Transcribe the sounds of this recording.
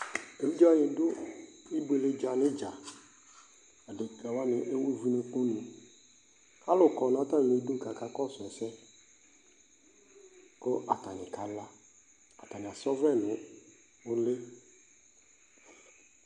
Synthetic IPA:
e˨vi˦d͡ʒa˦a˦ɲɪ̃˨dʊ˦i˦be˨le˦d͡ʒa˨nɪ˦d͡ʒa˨ | a˨dɪ˨ka˨wa˦nɪ˨ʔe˦we˦vi˦ne˨k͡po˦nũ˨ | a˦lʊ˨kɔ˨n˨ã˨˦t̪a˦n˨le˨˦do˦˨ka˨ka˦kɔ˦sʊ˨ɛ˨sɛ˦ | kʊ˦ʔa˨ta˨nɪ̃˨ka˨la˦ | a˨ta˨nɪ˨a˨sɔ˦vɛ˦nʊ˨ | ʊ˦le˦

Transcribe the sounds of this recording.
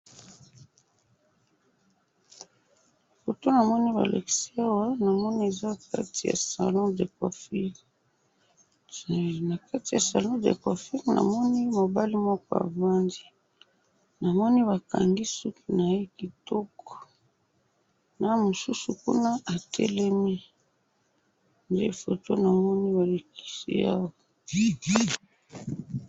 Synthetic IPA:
fo˨to˦na˨mɔ˦ni˦βa̰˨la̰˨ki̥˨˦si˦a˦wa˦na˨mɔ˦ni˦e˨za˦ka̰˦ti˨ja̰˨sa̰˨lɔ̃˦de˨kɔ̰˨fi˦˨ | na˨ka˦ti˨ja˨sa˨lɔ̃˦dḛ˨kɔ˨fi˦ʁna̰˨mɔ˦ni˦mo˨ba˦li˦mɔ˦kɔ˦a̰˨va˦ndi˦ | na˨mɔ˦ni˦βa˨ka̰˨ŋɡi˦su˦ki˨na˨je˦ki˨tɔ˦kɔ̥˨ | na˦mo˨su˦su˨kṵ˦na˦ʔa˨tʰɛ̰˦lɛ˦mi˦ | nde˦fo˨to˦na˨mɔ˦ni˦ba˨la˨ki̥˦sḭ˦a̰˦wa˨˦

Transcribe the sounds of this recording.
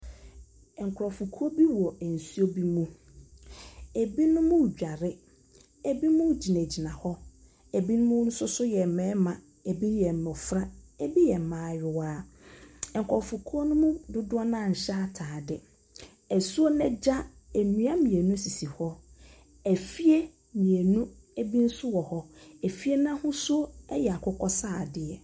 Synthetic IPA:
ɛ˨ŋ̩˨kʰɾɔ˨fʊ˨kʰu˦o˦bi˦wɔ˨n̩˨su˦o˦bi˦mũ˦ | e˨bi˦nʊ̃˦mũ˦˨d͡ʑᶣa˨ɾɪ˦ | e˨bi˦mũ˦d͡ʑi˨næ̃˨d͡ʑi˨nã˨hɔ˦ | e˨bi˦nʊ̃˦mʊ̃˦n̩˦sʊ˦sʊ˦jɛ˨m̩˨mɛ̃˨˦mã˨ | e˨bi˦jɛ˨m̩˨mɔ˨fɾa˦e˦bi˦jɛ˨m̩˨mãː˨˦˨ɥɪ˨waː˦˨ | kʰɔ˨fʊ˨kʰu˦o˦nʊ̃˦mũ˦dʊ˦dʊ˦ɔ˦nã˦˨ɲ̩˨ɕɛ˦a˦˨tʰaː˨dɪ˨ | æ˨su˦o˦nɛ̃˦d͡ʑa˦ | e˨mĩ˨˦a˦mĩ˨e˨nũ˦si˨si˨hɔ˦ | æ˨fi˦e˦ | mĩ˨e˨nũ˦ | e˦bi˦n̩˦sʊ˦wɔ˨hɔ˦æ˨fi˦e˦nã˦hʊ̃˦sʊ˦o˦ɛ˦jɛ˨a˨kʰʊ˦kʰɔ˦saː˦˨dɪ˨ɛ˨

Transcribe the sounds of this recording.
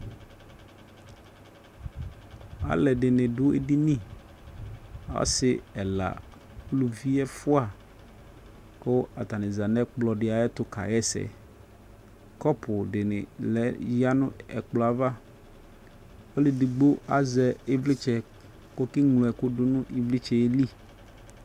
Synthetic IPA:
a̰˦lɛ˨dɪ˨nɪ̃˨dʊ˦ḛ˦di˦nĩ˦˨ | ɔ̰˦sɪ˦˨ɛ˨la̰˨ | klu˨vi˦ɛ˦fʊ˦a˨ | kʊ˦a˨t̪a˨nɪ̃˨za˨nɛ˦k͡plɔ˨dɪ˨a˨ɛ˦t̪ʊ˨ka̰˨jɛ˦sɛ̰˨ | kɔ˦pʰʊ˨dɪ˨nɪ̰˨lɛ˨˦ja˦nʊ̰̃˦ɛ̰˨k͡plɔ˨a˨va˦ | o˦lɪ˨dɪ˨ɡ͡bo˦a˦zɛ˨ɪ˦vlɪ˦t͡ʃɛ˨ | ko˦kɪ˦ŋlʊ̃˨ɛ˨kʊ˦dʊ˦nʊ̃˦ʔɪ˦vlɪ˦t͡ʃɛ˨e˦li˦˨

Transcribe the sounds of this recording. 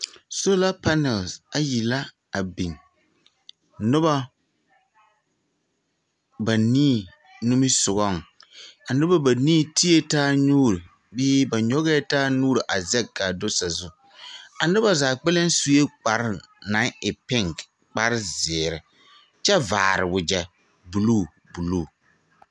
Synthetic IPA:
so˦la˦pa˦nɛ˨lsa˨ji˨la˦ | a˨bi˨ŋ | nʊ˦ba˦ | ba˨niː˦˨ | nu˦mɪ˦sʊ˨ɣɔ˦ŋ˨a˨nʊ˦ba˦ba˨niː˦˨tʰi˦e˦taː˦ɲuː˦ɾi˨ | bɪː˦ba˨ɲɔ˦ɣɛ˦taː˦nuː˦ɾɪ˨ʔa˨zɛ˦kːa˨do˦sa˨zʊ˨ | a˨nʊ˦ba˦zaː˨k͡pɛ˦la˦n˦su˨je˦k͡pa˨ɾna˨˦ŋɪ˨pɪ˦˨ŋk | k͡pa˦ɾɪ˦zɪː˨ɾɪ˨ | t͡ʃɛ˦va̰ː˨ɾɪ˨wʊ˨d͡ʒɛ˨ | bu˨luː˦˨ | bu˨lu˦˨

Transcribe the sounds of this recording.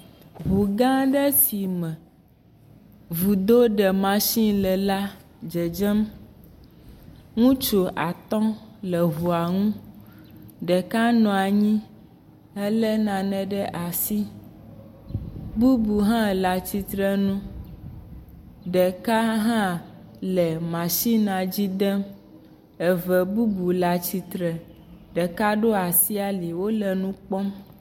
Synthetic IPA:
βu˨ɡã˦ɖɛ˦si˨mɛ̃˨ | vu˨d̪o˦ɖɛ˨mã˨ʃĩ˦lɛ˨la˦ | d͡ʒɛ˨d͡ʒɛ˦m | ŋũ˦t͡ʃo˨ʔa˨t̪ɔ̃˦lɛ˨ɦu˨a˨ŋũ˦ | ɖɛ˨ka˦nɔ̃˨a˨ɲĩ˦ | ɛ˦lɛ˦nã˨nɛ̃˨ɖɛ˦ʔa˨si˦ | bu˦bu˨ɦã˦˨la˨t͡ɕi˨t̪ɾɛ˦nũ˦ | ɖɛ˨ka˦ɦã˦ | lɛ˨mã˨ʃi˦nã˨d͡ʑi˦d̪ɛ˦m | ɛ˨vɛ˨bu˦bu˨la˨t͡ɕi˨t̪ɾɛ˨ | ɖɛ˨ka˦ɖo˦a˨si˦a˨li˨wo˦lɛ˨nũ˦k͡pɔ˦m

